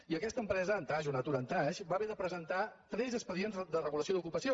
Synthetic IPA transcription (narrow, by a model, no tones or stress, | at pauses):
iəkɛst̪əmpɾɛzəːnt̪aʒunat̪uɾənt̪aʃbaβeðəpɾəzənt̪at̪ɾɛzəspəðienzd̪ərəɣuləsioðukupəsio